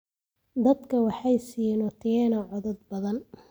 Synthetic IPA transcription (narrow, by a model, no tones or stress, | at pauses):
d̪ɐd̪kʰɐwɑħɑjsiːnɔt̪ʰɛɛnɐʕɔðɐd̪̚bɐðɐn